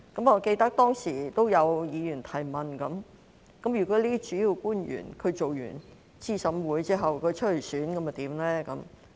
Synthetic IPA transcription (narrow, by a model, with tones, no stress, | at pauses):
kɐ˨˥mŋɔː˨˧ke˧jt̪ɐ˥k̚t̪ɔː˥ŋsiː˨˩t̪o˥wjɐ˨˧wjiː˨˧jy˨˩nt̪ʰɐ˨˩jmɐ˨nkɐ˨˥m | kɐ˨˥mjy˨˩kʰɵ˧ɥliː˥t̪i˥t͡ʃyː˨˥jiː˧wkuː˥njy̰ː˨˩nkʰɵ˨˧ɥt͡so˨wjy̰ː˨˩n | t͡siː˥˩sɐ˨˥mwuː˨˥jt͡siː˥ɦɐ˨wkʰɵ˨˧ɥt͡ʃʰɵ˥t̚le˨˩jsyː˨˥nkɐ˨˧mɐ˨t̪iː˨˥mlɛː˥kɐ˨˥m